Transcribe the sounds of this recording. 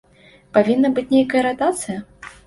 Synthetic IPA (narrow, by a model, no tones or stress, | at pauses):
pavʲinːɐbɨt͡sʲnʲejkɐjɐɾat̪at̪sɨjɐ